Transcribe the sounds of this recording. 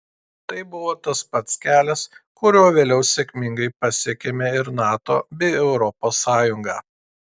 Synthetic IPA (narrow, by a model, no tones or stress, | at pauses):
t̪ɐɪbʊʋoːt̪ɐspɐt̪skʲæːlʲɛskʊɾʲoːʋʲeːlʲɛʊsʲekʲmʲɪŋɡɐɪpɐsʲiɛkʲemʲeɪɾnɑːt̪o̰ːbʲɛɪɛʊɾɔpoːsːɑːjʊŋɡɑː